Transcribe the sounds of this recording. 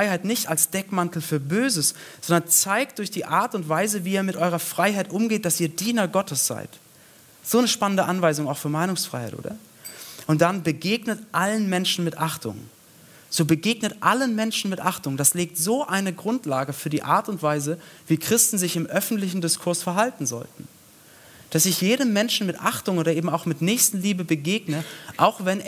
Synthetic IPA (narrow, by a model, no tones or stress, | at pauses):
ʁaɪhaɪtnɪçtalsd̥ɛkmantl̩fyːɐbøːzəsz̥ɔndɐnt͡saɪk̚t̚d̥ʊɐçd̥iːʔaːɐtʊntv̥aɪzəviːɛːɐmɪtʔɔʏʁɐfʁ̥aɪɦaɪtʔʊmɡeːt̚d̥asiːɐdiːnɐɡɔtəsz̥a̰ɪt | z̥oːnəʃpanəndəʔanvaɪzʊŋaʊxfyːɐmaɪnʊŋsfʁ̥a̰ɪha̰ɪtʔo̰ːdɐ̰ | ʔʊnt̚d̥anbəɡeːɡnətʔalənmɛnʃn̩mɪtʔaχtʊ̰ŋ | z̥oːbəɡeːɡnətʔalənmɛnʃn̩mɪtʔaχtʊŋd̥asleːk̚tz̥oːʔaɪnəɡʁʊntlaːɡəfyːɐdiːʔa̰ːɐtʊntv̥aɪzəviːkʁ̥ɪstn̩zɪçɪmʔœfn̩tlɪçn̩dɪskʰʊɐsfɛɐɦaltn̩zɔ̰ltn̩ | d̥asɪçjeːɾəmːɛnʃn̩mɪtʔaχtʊŋʔoːɾɐʔeːbm̩aʊxmɪtnɛːçstn̩liːbəbəɡeːɡnəʔaʊxv̥ɛn